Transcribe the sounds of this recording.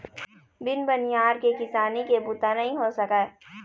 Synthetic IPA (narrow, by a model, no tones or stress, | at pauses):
bɪnbɐnijaːɾkekɪsaːnikebʊt̪anɐɦĩɦosɐka